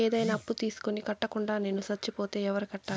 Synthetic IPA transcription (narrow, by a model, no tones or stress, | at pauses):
eːd̪ɐjnaːɐpːut̪iːsu̥konikɐʈːɐkuɳɖaːne̞ːnusɐt͡ʃːipoːt̪e̞ːɛʋɐɾikɐʈːaː